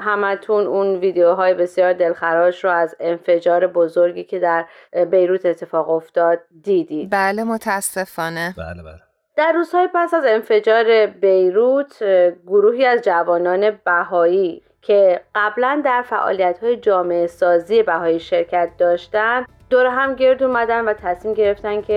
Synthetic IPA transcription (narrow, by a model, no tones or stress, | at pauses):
ɦæmæt̪ʰununviːd̪eoɦɒːjebe̞sjɒːɾd̪e̞lxæɾɒːʃɾoæze̞nfe̞d͡ʒɒːɾe̞bo̞zo̞ɾɟiːcʰe̞d̪æɾ | be̞jɾuːt̪ʰet̪ʰːe̞fɒːɣo̞ft̪ɒːd̪̥̚ːiːd̪iːbæːlemot̪ʰææsːefɒːnḛlæ | d̪̥æɾːuːz̥hɒːjepæsæze̞nfe̞d͡ʒɒːɾe̞be̞jɾuːt̪ʰɡoɾuːɦiːæzd͡ʒævɒːnɒːne̞bæhɒːiː | cʰe̞ɢ̥æblænd̪æɾfæ̰ʔɒ̰ːlijæt̪hɒːje̞d͡ʒɒːme̞esɒːziːje̞bæhɒːiːʃe̞ɾcʰæt̪̚d̪ɒːʃt̪ænd̪ | d̪oɾeɦæmɟe̞ɾd̪uːmæd̪ænvæt̪ʰæsmiːmɟe̞ɾe̞ft̪æncʰe